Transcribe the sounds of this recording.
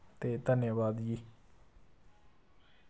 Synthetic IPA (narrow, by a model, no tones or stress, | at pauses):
t̪et̪ɛʔnebad̪ii